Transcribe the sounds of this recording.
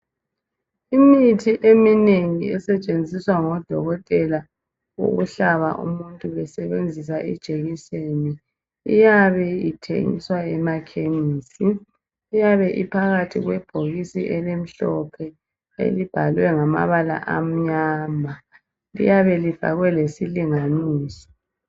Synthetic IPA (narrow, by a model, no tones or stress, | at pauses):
imitʰiʔemineŋiɛsɛt͡ʃʼend͡zʱiswaŋɔd̥ʱɔɣɔtʼɛla | wo̰ɣuɬaβa̰ʔṵmuntʼuɛsɛβend͡zʱisaʔid̥ʒ̥ʱeɣiseni | ijaβɛitʰḛŋḭswaɛmakʰeniːsiː | jaβɛʔipʰaɣatʰiɣwɛb̥ʱoɣisḭʔɛlem̩ɬɔpʰɛ | ḛlib̥ʱalwɛŋama̰βala̰ʔam̩ɲaːma | lḭjaβɛliv̥a̰ɣwɛlesiliŋaniːsɔ̥